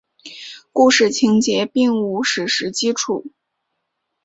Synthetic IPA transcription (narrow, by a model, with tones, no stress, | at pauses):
ku˥˧ʂɻ̩˥˩t͡ɕʰi˧˥ŋt͡ɕjɛ˧˥pi˥˧ŋu˧˩ʂɻ̩˧˥ʂɻ̩˧˥t͡ɕi˥ʈ͡ʂʰu˨˩˦